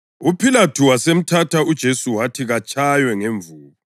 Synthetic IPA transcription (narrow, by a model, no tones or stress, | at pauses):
upʰilatʰuwasem̩tʰatʰaud̥ʒ̥ʱesuwatʰiɣat͡ʃʼajwɛŋeɱvuːlɔ